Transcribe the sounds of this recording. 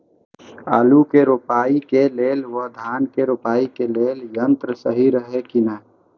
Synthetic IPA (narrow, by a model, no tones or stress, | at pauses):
a̰ːlukeɾupaːikeleːlʋəd̪ʱaːnkeɾopaːikeleːljə̃nt̪ɾəsəɦiɾəɦekinə